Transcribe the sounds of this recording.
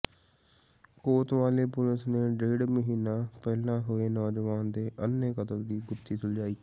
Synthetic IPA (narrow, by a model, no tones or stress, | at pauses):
koːt̪ʋaːleːpʊlɪsneːɖeːɖməɦiːnaːpɛːlãːɦoeːnɔːd͡ʒʋaːnd̪eːʔənːeːkət̪əld̪iːɡʊt̪ːiːt̪ʊld͡ʒaːiː